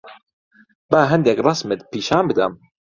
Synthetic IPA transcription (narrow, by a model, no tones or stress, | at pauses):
baːɦɐnd̪ekrˤɑsmɨt̪piːʃaːmbɨd̪am